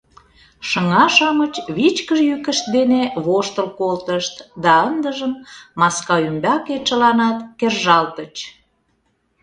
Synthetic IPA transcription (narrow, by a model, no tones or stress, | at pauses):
ʃəŋɑʃɑmət͡ɕβit͡ɕkəʒjykəʃt̪̚d̪eneβoʃt̪əlkolt̪əʃt̪d̪ɑənd̪əʒəmːɑskɑymbɑket͡ʃəlɑnɑt̪kerʒɑlt̪ət͡ɕ